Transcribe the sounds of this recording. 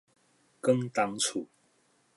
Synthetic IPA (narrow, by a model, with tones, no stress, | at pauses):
kə˥˦ŋt̪a˦ŋt͡sʰu˨˩